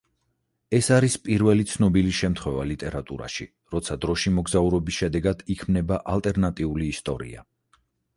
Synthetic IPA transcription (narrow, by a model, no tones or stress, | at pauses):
ɛsaɾispʼiɾvɛlit̪sʰnɔbiliʃɛmt̪ʰχwɛvalit̪ʼɛɾat̪ʼṵɾa̰ʃi | ɾɔt̪sʰad̪ɾɔʃimɔɡzauɾɔbisʃɛd̪ɛɡad̪̥ikʰmnɛbaʔalˠt̪ʼɛɾnat̪ʼiuliːst̪ʼɔɾḭa̰